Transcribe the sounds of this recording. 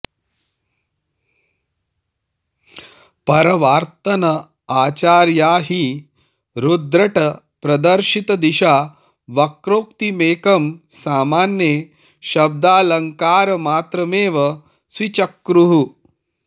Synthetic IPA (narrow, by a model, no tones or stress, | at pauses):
pɐɾɐʋaːɾt̪ɐnɐ | aːt͡ʃaːɾjaːɦi | ɾud̪ɾɐʈɐ | pɾɐd̪ɐɾʃit̪ɐd̪iʃaː | ʋɐkɾoːkt̪imeːkɐmsaːmaːnje | ʃɐb̚d̪aːlɐŋkaːɾɐmaːt̪ɾɐmeːʋɐ | sʋit͡ʃɐkːɾuɦu